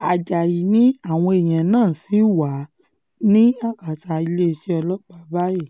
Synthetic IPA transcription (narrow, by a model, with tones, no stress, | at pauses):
a˨d͡ʒa˨ji˨˦nĩ˨˦a˦˨w̃ɔ̃˧e˨j̃ã˨nãː˦˨si˨˦˨wa˨˦ | nĩ˦a˦˨ka˨ta˧i˧le˦i˧ʃe˦ɔ˧lɔ˦k͡pa˦ba˦ji˦˨